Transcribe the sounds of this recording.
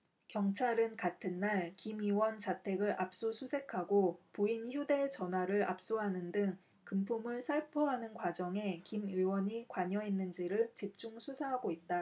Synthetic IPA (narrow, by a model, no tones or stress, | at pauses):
kjʌŋt͡ɕʰaɾɯnkatʰɯnːaɭkimiwʌnt͡ɕatʰe̞ɡɯɾʔap̚s͈usʰusʰe̞kʰaɡopoinçjode̞ɭt͡ɕʌnɦwaɾɯɾa̰p̚s͈uɦanɯndɯŋ | kɯmpʰumɯɭsʰaɭpʰoɦanɯnkwad͡ʑʌŋe̞kimiwʌɲikwaɲʌɦenːɯnd͡ʑiɾɯɭt͡ɕip̚t͡ɕ͈uŋsʰusʰaɦaɡoit̚t͈a